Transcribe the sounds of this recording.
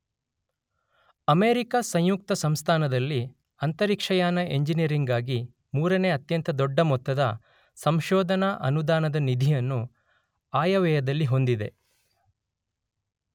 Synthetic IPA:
ɐmeːɾikasɐ̃ɲjuk̚t̪ɐsɐmst̪ʰaːnɐd̪ɐlːi | ɐnt̪ɐɾikʂɐjaːnɐʔeɲd͡ʒinijɐɾiŋɡaːɡi | muːɾɐneːɐt̪jɐnt̪ɐd̪ɔɖːɐmɔt̪ːɐd̪ɐ̰ | sɐmʃɔːd̪ʱɐnɐʔɐ̰nud̪aːnɐd̪ɐnid̪ʱijɐnːu | aːjɐʋɛːjɐd̪ɐlːiɦo̞nd̪id̪e̞

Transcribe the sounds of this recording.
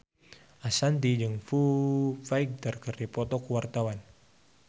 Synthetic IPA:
ʔasant̪̬id͡ʒɨŋfufaik̚darkərdipɔt̪ɔkuwart̪awan

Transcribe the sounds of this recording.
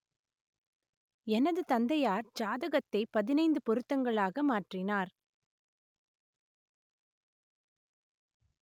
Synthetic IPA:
ɛnɐðɯt̪ɐnd̪ɐjaːɾd͡ʒaːðɐɣɐt̪ːɐɪpɐðɪnɐɪnd̪ɯpɔɾɯt̪ːɐŋɡɐɭaːɣɐmaːʈrɪnaːɾ

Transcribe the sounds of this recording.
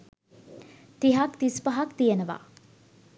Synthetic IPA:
t̪iɦakt̪ispaɦakt̪ijenəʋa̰ː

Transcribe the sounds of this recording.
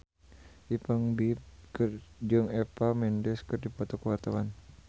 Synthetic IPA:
ʔipaŋbip̚kərd͡ʒɔŋɛpamɛndɛskɨrdipɔt̪ɔkəwart̪awan

